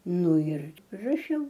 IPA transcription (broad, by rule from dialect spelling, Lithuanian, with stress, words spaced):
ˈnʊ ɪr rɐˈʃʲɛʊ